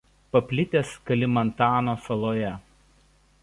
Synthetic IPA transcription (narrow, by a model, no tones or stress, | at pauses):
pɐpʲlʲɪt̪ʲeːskɐlʲɪmɐnt̪ɑːnoːsɐlˠoːjɛ